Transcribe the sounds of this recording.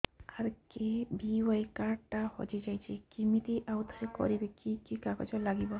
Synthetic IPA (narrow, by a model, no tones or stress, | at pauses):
aɾkebiwajkaʈahɔ̰d͡ʒid͡ʒajt͡ʃʰikimit̪iʔawt̪ʰaɾekɔ̰ɾibikikikakɔ̰d͡ʒɔlaɡibɔ